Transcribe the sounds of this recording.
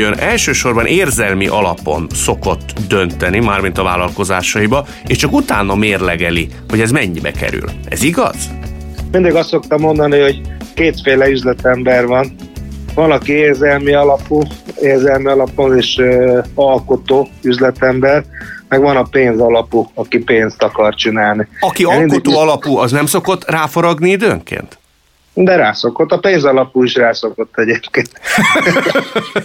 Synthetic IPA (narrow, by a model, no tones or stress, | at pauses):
ønɛlʃøːʃo̞rbɒnʔeːrzɛlmiʔɒlɒpo̞nso̞ko̞t̪ːd̪ø̞nt̪ɛnimaːrmint̪ɒva̰ːlɒlko̞zaːʃɒibɒ | eːʃt͡ʃɒkut̪aːnɒmeːrlɛɡɛli | ho̞ɟɛzmɛɲːbɛ̰kɛ̰ɾy̰lɛ̰ziɡɒ̰z̥mind̪iɡɒst̪ːok̚t̪ɒmːo̞nd̪ɒniho̞ɟkeːt̪feːlɛyzlɛt̪ɛmbɛrʋɒnvɒnɒkieːrzɛlmiɒlɒpueːrzɛlmiɒlɒponeːʃøɒlko̞t̪oːyzlɛt̪ɛmbɛrmɛɡʋɒnɒpeːnzɒlɒpuɒkipeːnst̪ɒkɒrt͡ʃinaːlniɒkiɒkot̪oːɒlɒpuːɒznɛmso̞ko̞t̪ːraːfoɾɒɡniid̪ø̰ŋkḛːnt̪ | d̪ɛɾaːso̞ko̞t̪ːɒpeːnzɒlɒpuːiʃraːso̞ko̞t̪ːɛɟeːpkeːnt̪